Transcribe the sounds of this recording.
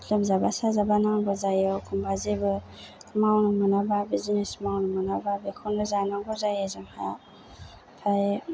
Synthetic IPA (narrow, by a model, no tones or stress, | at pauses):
lɯmzabasazabanaŋɡɔzajɔkʰumbazibɯ | mawnɯmɯnababizinesmawnɯmɯnababekʰɔnɯzanaŋɡɔzajezɯmha | pʰaj